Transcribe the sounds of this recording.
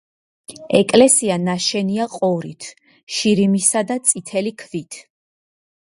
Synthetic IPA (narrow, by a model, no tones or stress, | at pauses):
ɛkʼlɛsianaʃɛniaqʼɔɾḭt̪ʰ | ʃiɾimisad̪at̪sʼit̪ʰɛlikʰvit̪ʰ